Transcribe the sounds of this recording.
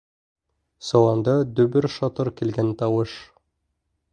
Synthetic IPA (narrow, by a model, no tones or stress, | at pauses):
sɑwɑnd̪ɑd̪ɵ̆bɘɾʃɒt̪ɤɾkilɡænt̪ɑwɤʃ